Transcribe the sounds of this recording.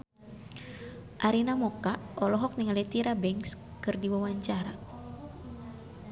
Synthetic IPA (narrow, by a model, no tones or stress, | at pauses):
ʔaɾinamɔkaʔɔlɔɦɔk̚niŋalit̪iɾabɛŋskɨrdiwawaɲt͡ʃaɾa